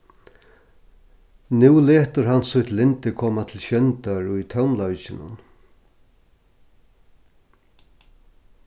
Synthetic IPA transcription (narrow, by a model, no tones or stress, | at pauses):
nuwlɛːht̪əɾɦansʊht̪lɪnt̪ɪkʰɔːmat̪ʰɪlɕœnt̪aɹʊjt̪ʰawmlɔɥt͡ʃɪnʊ̰n